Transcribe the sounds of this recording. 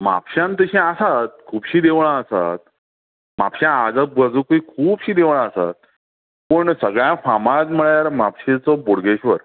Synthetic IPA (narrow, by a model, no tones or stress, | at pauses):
ma̰pɕãnt̪əɕĩasat̪̚kʰuːbɕiːd̪eʋɭaːsa̰t̪̚ | ma̰pɕãad͡zabəd͡zukuikʰuːbɕiːd̪eʋɳ̃aəsa̰t̪̚ | pəɳsəɡɭjãfamãd͡zm̤əɭjaɾmapɕet͡sɔboɽɡeɕʋəɾ